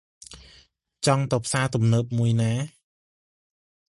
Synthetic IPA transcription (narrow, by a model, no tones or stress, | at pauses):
t͡ɕɑŋt̪ɑpʰsaːt̪umnəːp̚muəjnaː